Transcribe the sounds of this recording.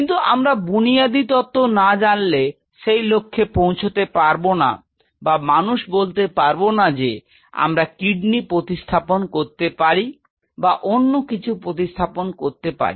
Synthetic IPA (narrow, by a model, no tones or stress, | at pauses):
kint̪uʔa̰mɾabunijad̪it̪ɔt̪ːonad͡ʑanle | ʃejlokʰːepõw̃t͡ɕʰot̪epaɾbona̰ | bamanuʃbolt̪epaɾbonad͡ʑe | a̰mɾakiɖnipɾot̪iʃt̪ʰaponkoɾt̪epaɾi | baʔonːokit͡ɕʰupɾot̪̬ist̪ʰaponkoɾt̪epa̰ɾi